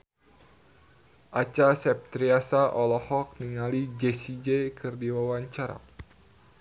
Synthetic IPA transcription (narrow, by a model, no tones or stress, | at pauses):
ʔat͡ʃasɛp̚t̪ɾiasaʔɔlɔhɔk̚niŋalid͡ʒesid͡ʒekʰɨrdiwawaɲt͡ʃaɾa̰